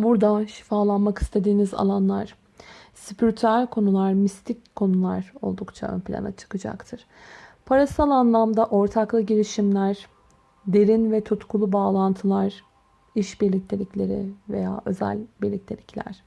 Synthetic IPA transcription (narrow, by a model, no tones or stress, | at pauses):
buɾd̪aʃi̥faːlˠanmaki̥st̪ʰe̞d̪iːniza̰lˠanlˠaɾ̥ | sipʰyɾʲt̪ʰæɾkʰo̞nulˠaɾmist̪ʰicʰːo̞nulˠaɾo̞̰lˠd̪ukt͡ʃʰa̰ø̰npʰilʲa̰na̰t͡ʃʰɯ̥kɯd͡ʒa̰kt̪ʰɯɾ̥ | pʰaɾasalˠanlˠamd̪aʔo̞ɾt̪ʰaklˠɯɟiɾiʃimlʲæɾ | d̪e̞ɾinvɛt̪ʰut̪kʰulˠubaːlˠant̪ʰɯlˠaɾ̥ | iʃbiɾlʲic̚t̪ʰelʲiclʲe̞ɾɪ̰ve̞̰ja̰ːʔø̞zæ̰lʲbiɾlʲic̚ʲt̪ʰelʲicʰlʲæ̰ɾ̥